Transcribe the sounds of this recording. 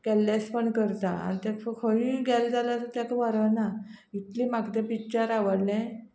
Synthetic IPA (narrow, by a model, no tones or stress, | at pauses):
ɡ̥ɛlːaspəɳkəɾt̪aa̰ɾt̪afəkʰəiɡɛld͡z̪alasət̪jakəʋaɾəna | it̪limaɡd̪ɛpit͡ɕaɾaʋəɽlɛ̃